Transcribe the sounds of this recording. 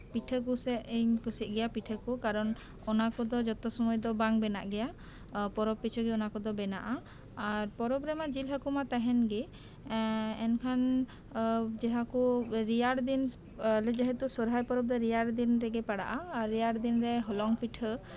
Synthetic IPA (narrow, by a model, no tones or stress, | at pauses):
piʈʰəkusɛiɲpusit̪̚ˀɡɛjapiʈʰəkukaɾɔn | ɔnakɔd̪ɔd͡ʒɔt̪ɔsɔmɔjd̪ɔbaŋbɛna̰ʔɡɛja | pɔɾɔpːit͡ʃʰɔɡiɔnakɔd̪ɔbɛna̰ʔaː | ɾpɔɾɔbɾɛmad͡ʒilɦəkumat̪aɦɛnɡi | ɛnkʰan | d͡ʒɛɦakuɾijaɽd̪in | lɛd͡ʒɛɦɛt̪usɔɾɦajpɔɾɔb̚d̪ɔɾijaɽd̪inɾɛɡɛpaɽa̰ʔaaɾːijaɽd̪inɾɛɦɔlɔŋpiʈʰə